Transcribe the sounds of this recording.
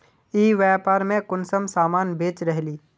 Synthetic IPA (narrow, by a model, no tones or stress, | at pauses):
iːʋɛpaːɾmẽkʊnsəmsaːmaːnbeːt͡ʃɾəɦliː